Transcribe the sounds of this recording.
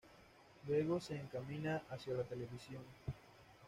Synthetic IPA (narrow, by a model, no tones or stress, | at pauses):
lwe̞ɣo̞se̞ːŋkamĩnaʔasjalat̪e̞le̞βisjo̞n